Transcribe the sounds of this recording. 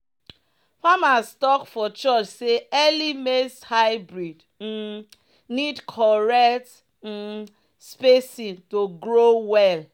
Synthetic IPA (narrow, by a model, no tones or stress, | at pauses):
famastɔkfɔt͡ʃɔt͡ʃseɛlimeshaɪbɾid | n̩ | nidkʰɔɹɛkt̩ | spesĩntoɡɾowɛl